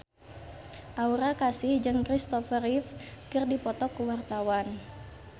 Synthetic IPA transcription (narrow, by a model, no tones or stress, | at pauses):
ʔauɾakasɪhd͡ʒɨŋkɾist̪ɔfəɾifkɨrdipɔt̪ɔkuwart̪awan